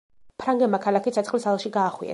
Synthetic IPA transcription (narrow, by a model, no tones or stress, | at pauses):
pʰɾaŋɡɛmakʰalˠakit̪sʰat̪sχlisalˠʃiɡaːχwḭɛ̰